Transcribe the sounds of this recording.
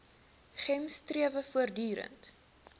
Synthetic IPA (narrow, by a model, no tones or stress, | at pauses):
χɛmstriəvəfuərdyːɾə̰nt